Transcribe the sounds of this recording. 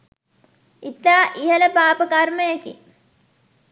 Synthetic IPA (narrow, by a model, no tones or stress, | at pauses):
it̪ːaːʔijələpaːpəkaɾməjakḭ